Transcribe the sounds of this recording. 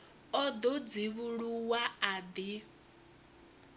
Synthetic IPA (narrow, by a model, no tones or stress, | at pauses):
ɔd̪ɔd͡ziβuɺuwaad̪i